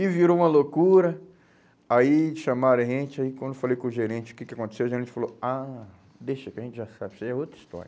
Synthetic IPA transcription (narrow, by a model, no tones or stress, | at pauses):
ɪviɾoũmɐlokuɾɐ | aiʃamaɾẽʒẽt͡ʃɪaikwɐ̃d̪efalejkõʒeɾẽt͡ʃɪʊ̥kekɪakõnt̪esewʒeɾẽnt͡ʃɪ̥faloa | d̪eʃɐkɪɐʒẽnt͡ʃɪʒasabɪsɛiɛot̪ɾist̪ɔ̰ɾjɐɐ